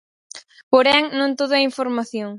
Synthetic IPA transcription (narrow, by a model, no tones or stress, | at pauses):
poɾɛŋnõnt̪oðʊɐiɱfoɾmaθjoŋ